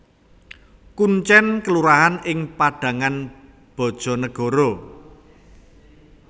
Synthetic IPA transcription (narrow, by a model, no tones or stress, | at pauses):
kuɲt͡ʃɛnkəluɾaɦanɪŋpaɖ̥ä̤ŋan | b̥ɔ̤d̥ʒ̥ɔ̤nəɡ̥ɔ̤ɾɔ